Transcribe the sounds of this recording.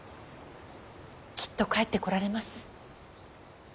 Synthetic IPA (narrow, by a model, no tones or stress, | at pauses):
kʲi̥t̪ːo̞kaet̪ːe̞ko̞ɾaɾe̞masɨ̥